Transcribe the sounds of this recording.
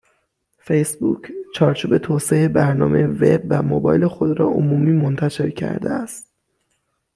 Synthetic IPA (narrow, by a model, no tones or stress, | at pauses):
fejsbṵːcʰt͡ʃʰɒːɾt͡ʃʰuːbe̞t̪ʰoːseebæɾnɒːme̞jeve̞̰bvæmobɒːjle̞xo̞d̪ɾɒːʔomuːmiːmont̪ʰæʃe̞ɾcʰæ̰ɾd̪ḛæst̪̚